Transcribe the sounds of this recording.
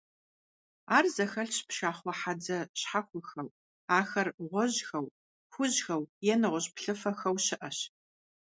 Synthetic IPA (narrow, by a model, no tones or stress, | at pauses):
aːrzɐxɐɬɕpʃaːχʷɔħad͡zɐɕħaxʷʊxɐw | aːxɐrʁʷɔʑxɐw | xʷʊʑxɐwjɛnɨʁʷʊɕpɬɨfɐxɐwɕɪʔɐɕ